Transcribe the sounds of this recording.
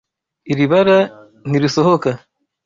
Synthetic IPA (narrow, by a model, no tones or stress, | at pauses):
iɾiβaɾa | n̥iɾiso̞ho̞ka